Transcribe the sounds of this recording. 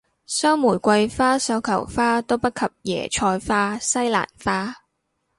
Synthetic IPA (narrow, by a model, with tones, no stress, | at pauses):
sœː˥ŋmuː˨˩jkʷɐ˧jfaː˥sɐ˧wkʰɐ˨˩wfaː˥t̪o˥wpɐ˥t̚kʰɐ˨p̚jɛ̰ː˨˩t͡ʃʰɔː˧jfaː˥sɐ˥jla̰ː˨˩nfaː˥